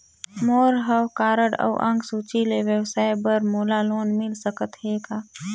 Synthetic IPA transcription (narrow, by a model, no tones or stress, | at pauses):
moːɾɦəwkaːɾəɽə̰ːʔə̰̃ŋɡsuːt͡ʃileʋjəwsaːebəɾmoːlaloːnmɪlsəkət̪ɦeːɡaː